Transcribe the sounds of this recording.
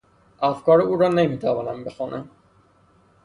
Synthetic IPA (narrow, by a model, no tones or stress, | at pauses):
ʔæfkɒːɾuːɾɒnemiːt̪ʰævɒːnæmbexunʔæm